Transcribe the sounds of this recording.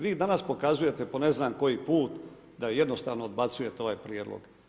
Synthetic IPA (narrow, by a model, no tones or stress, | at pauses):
ʋiːd̪anaspo̞kazuje̞t̪e̞pone̞znaːmko̞jipuːt̪ | d̪aje̞d̪no̞st̪aːʋno̞od̪bat̪suje̞t̪eo̞ʋaːjpɾjeːd̪lo̰ɡ̥